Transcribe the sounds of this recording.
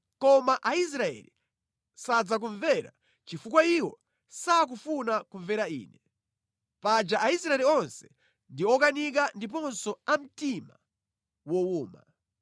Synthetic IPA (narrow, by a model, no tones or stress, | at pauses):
kɔmaʔais̬ɾaɛ̰lḭ | sad͡zak̬uɱvɛɾa̰ | t͡ʃifukwaiwɔ | sak̬ufunakuɱvɛɾaḭːnɛ | pad͡ʒaʔaisɾaɛliɔnsɛ̥ | ndiɔkanik̬andipɔnsɔam̩tima | wɔwuːma̰